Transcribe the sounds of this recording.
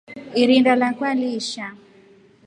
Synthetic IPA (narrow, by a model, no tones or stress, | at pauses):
iɾindalakwaliʃa